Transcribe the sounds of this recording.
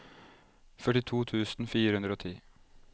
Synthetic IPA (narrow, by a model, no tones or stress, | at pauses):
fœʈɪt̪ʰuːt̪ʰʉːsn̩fiːɾəhʉnd̪ɾoːt̪ʰḭː